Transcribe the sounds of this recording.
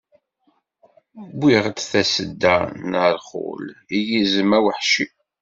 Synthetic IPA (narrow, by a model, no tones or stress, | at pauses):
bʷiʁt͡sθæsəd̪ːænəɾˤχʊ̰lijizəmæwəħʃi